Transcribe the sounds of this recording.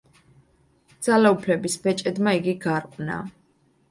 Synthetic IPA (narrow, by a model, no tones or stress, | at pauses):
d̪z̥alaupʰlɛbisbɛt͡ʃʼɛd̪maiɡiɡaɾqʼna̰